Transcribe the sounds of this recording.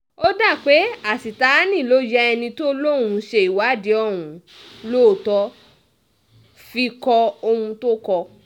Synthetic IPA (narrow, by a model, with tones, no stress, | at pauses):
o˦da˦˨k͡pe˨˦a˨si˨ta˨˦nĩ˦˨lo˨˦d͡ʒɛ˦ɛ˧nĩ˧to˦lo˦˨wũ˧ʃe˧i˨wa˨˦˨de˨˦ɔ˦˨wũ˨˦ | lo˦˨tɔ˧˦ | fi˧kɔ˧o˧hũ˧to˦kɔ˧